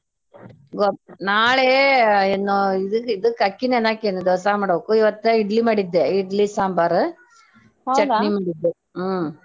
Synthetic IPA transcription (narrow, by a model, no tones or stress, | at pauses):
ɡɔnaːɭeenːoːid̪ɯid̪ɯkɐkːinenaːkenːud̪ɔːs̬aːmaːɽokːuiʋɐt̪ːɐiɖlimɐɽid̪ːeiɖlisaːmbaːɾɯ | t͡ʃɐnimaːɽid̪ːe | m